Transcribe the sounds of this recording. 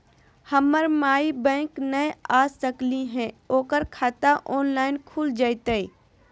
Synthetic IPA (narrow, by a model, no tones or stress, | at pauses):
həməɾmaːibɛ̃ːknəjaːsəkliɦɛ̃oːkəɾkʰaːt̪aʔɔːnlaːɪnkʰuːld͡ʒaːɪt̪əi